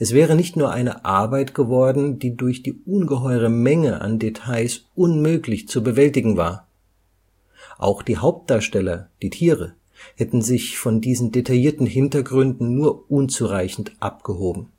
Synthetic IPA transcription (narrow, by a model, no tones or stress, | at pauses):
ʔɛsv̥ɛːʁ̞ənɪçtnuːɐʔaɪnə̰ʔaɐbaɪtɡ̥əvɔɐdn̩d̥iːdʊɐçd̥iːʔʊnɡəɦɔʏʁ̞əmɛŋəʔa̰ndetʰaɪsʔʊnmøːklɪçt͡subəvɛltɪɡŋ̩va̰ːɐ | ʔa̰ʊxd̥iːhaʊp̚t̚d̥aːɐʃtɛlɐd̥iːtʰiːʁ̞ə | hɛtn̩zɪçfɔndiːzn̩detʰajiːɐtn̩ɦɪntɐɡʁʏndn̩nuːɐʔʊnt͡suʁaɪçn̩tʔap̚ɡ̥əɦoːbm̩